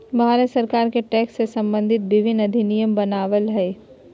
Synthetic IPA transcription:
bʱaːlesɐɾkaːɾkeʈɛːksːesɐ̃mbə̃nd̪ʱɪt̪ʋɪʋʱɪnɐd̪ʱinijəmbɐnaːʋəlɦɛː

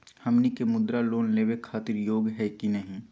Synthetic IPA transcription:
hɐmnikemʊd̪ɾaloːnleːwekʰaːt̪ɪɾjoːɡɦɛkinɐɦĩ

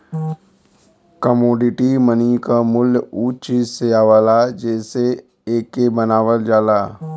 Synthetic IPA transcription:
kəmoːɖɪʈimənikamʊluːt͡ʃiːzseaːʋaːlad͡ʒɛːse | eːkːebənaːʋəld͡ʒaːlaː

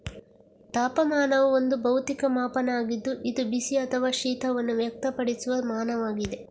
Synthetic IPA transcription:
t̪aːpɐmaːnɐʋuond̪ubɐwt̪ikɐmaːpɐnaːɡid̪ːuʔid̪ubisiɐt̪ʰɐʋaːʃiːt̪ʰɐʋɐnːuʋjɐk̚t̪ɐpɐɽisuʋɐmaːnɐʋaːɡid̪e

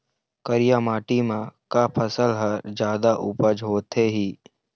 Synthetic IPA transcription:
kəɾɪjaːmaːʈimãkapʰəsəlɦəɾd͡ʒjaːd̪aʔʊpəd͡ʒɦoːt̪eɦiː

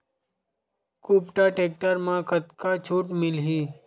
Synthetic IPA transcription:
kuːpʈaʈeːk̚ʈəɾmãkət̪kat͡ʃʰoːʈmɪlɦiː

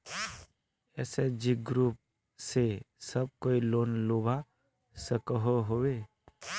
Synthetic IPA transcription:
ɛ̰ːsed͡ʒiɡɾuːp̚ | sesəb̚koːiloːnloːba | səkəɦoɦoʋe

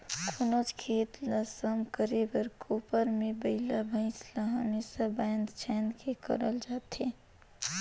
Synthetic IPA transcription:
kʰʊnot͡ʃkʰeːt̪lasəmkəɾebəɾkʰoːpəɾmẽbəɦlabʱə̃ɪ̃slaɦəmeːsabajnd̪t͡ʃʰɛːnkʰekə̰ɾəld͡ʒaːt̪ɦeː

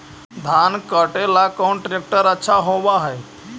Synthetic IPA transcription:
d̪ʱankəʈelakoɳʈɾek̚ʈəɾətːɕʰaɦoʋaɦəj

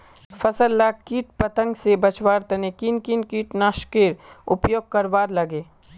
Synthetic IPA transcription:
fɐsəlːaːkiːʈ̚pɐt̪ə̃ŋɡsebɐt͡ʃwaːɾt̪ɐnekiːnkinkiːʈnaːʃkeːɾʊpjoːɡ̚kɐɾʋaːɾlɐɡeː

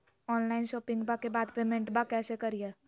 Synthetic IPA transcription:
ɔːnlaːɪnʃɔːpɪ̃ŋɡbakebaːd̪pemẽɳʈbakɛːsekɐɾijeː

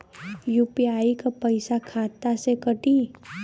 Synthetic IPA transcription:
juːpijaːikapɐɪsakʰaːt̪asekɐʈiː

